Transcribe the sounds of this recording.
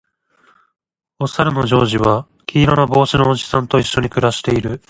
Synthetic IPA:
o̞saɾɯ̟noʑo̞ːʑiβa | kʲʰiːɾonobo̞ːɕinoːʑi̥sãnt̪o̞iɕːo̞ɲ̟ikɯ̟ɾaɕi̥t̪e̞iɾɯ̟

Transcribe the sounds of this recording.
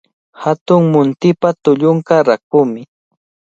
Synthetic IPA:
hat̪ʊŋmʊnt̪ɪpat̪ʊʎʊŋkaɾakʊmɪ

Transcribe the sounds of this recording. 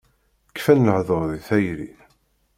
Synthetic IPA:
kːfænləʕðoɾˤðiθæjɾḭ

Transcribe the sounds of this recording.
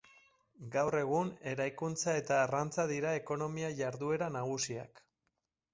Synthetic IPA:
ɡawre̞ɣ̞une̞ɾajkunt͡sae̞t̪aːrant͡saðiɾae̞ko̞no̞miaʝaɾðue̞ɾanaɣ̞usia̰k

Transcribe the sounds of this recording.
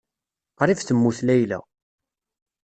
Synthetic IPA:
qɾˤifθəmːuθlæjlæ̰

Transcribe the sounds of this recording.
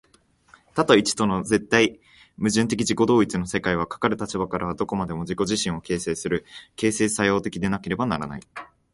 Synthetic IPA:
t̪at̪oit͡ɕi̥t̪o̞no̞ze̞t̪ːai | mɯ̟ʑɨ̃nt̪e̞k̬ʲiʑiko̞d̪o̞ːit͡sɨnose̞kaiβ̞akḁkaɾɯ̟t̪at͡ɕibakaɾaβ̞ad̪o̞ko̞mad̪e̞mo̞ʑiko̞ʑiɕĩɰ̃o̞ke̞ːse̞ːsɨɾɯ̟ke̞ːse̞ːsajo̞ːt̪e̞kʲid̪e̞nake̞ɾe̞banaɾa̰na̰i

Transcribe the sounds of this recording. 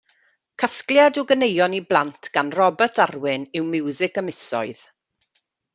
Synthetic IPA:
kʰaskljadoɡənejɔniblˠantʰɡ̥anrɔbətʰarwɪnɪwmɪwzɪkəmɪsɔ̰ɨð

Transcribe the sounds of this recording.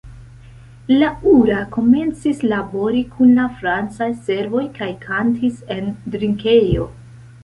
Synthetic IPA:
lauɾako̞me̞nt͡sislabo̞ɾikʰunlafɾant͡sajse̞ɾvo̞jkajkʰantʰise̞ndɾiŋke̞jo̞̰

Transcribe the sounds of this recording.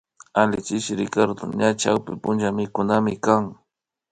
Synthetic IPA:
alɪt͡ʃɪʃɪɾɪkaɾd̪o̰ɲat͡ʃawpɪpʊnd͡ʒamɪkʊnamɪkaŋ

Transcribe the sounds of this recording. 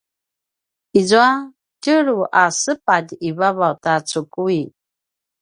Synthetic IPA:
izua | cəɾuʔasəpaɟiβaβawtat͡sukui

